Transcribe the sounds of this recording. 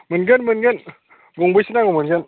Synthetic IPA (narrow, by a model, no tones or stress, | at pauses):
mɯnɡɯnmɯnɡɯn | ɡɔŋbɯjsɯnaɡɔmɯnɡɯn